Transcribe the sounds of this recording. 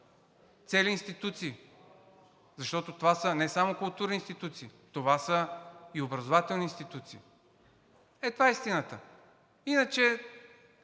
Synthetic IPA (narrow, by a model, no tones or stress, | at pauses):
t̪sɛliːnst̪it̪ut̪siː | zɐʃt̪ɔt̪ot̪ovasənɛsamokʊlˠt̪uɾnʲiːnst̪it̪ut̪siːt̪ovasəiobɾɐzovat̪ɛlˠniːnst̪it̪ut̪siː | ɛt̪vaist̪inət̪ə | inət͡ʃɛ